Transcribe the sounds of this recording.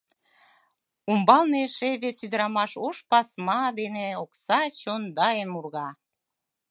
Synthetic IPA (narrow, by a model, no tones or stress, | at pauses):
umbɑlneʃeβesyd̪əɾɑmɑʃoʃpɑsmɑd̪eneoksɑt͡ɕond̪ɑemurɣɑ